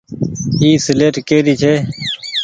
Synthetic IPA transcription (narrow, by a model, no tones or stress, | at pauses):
iːsɪleːʈkeːɾiːt͡ʃʰeː